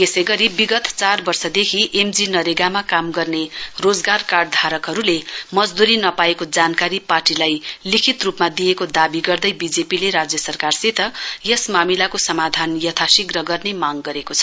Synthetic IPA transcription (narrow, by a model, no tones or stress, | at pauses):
esʌjɡʌɾibiɡʌt̪t͡sarbʌrsʌd̪ekʰiʔemd͡zinʌɾeɡamakamɡʌrnerod͡zɡarkaɖd̪ʱaɾʌkɦʌɾulemʌd͡zd̪uɾinʌpaekod͡zankaɾiparʈilajlikʰit̪rupmad̪ijekod̪abiɡʌrd̪ʌjbid͡zepileɾad͡zjʌsʌrkarsit̪ʰʌjesmamilakosʌmad̪ʱanjʌt̪ʰasiɡrʌɡʌrnemaŋɡʌɾekot͡sʰʌ̥